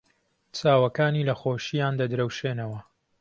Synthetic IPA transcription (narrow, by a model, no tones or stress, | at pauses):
t͡sʰaːwɐkaːniːlɐxoːʃijaːnd̪ɐd̪ɾɐwʃeːnɐwɐ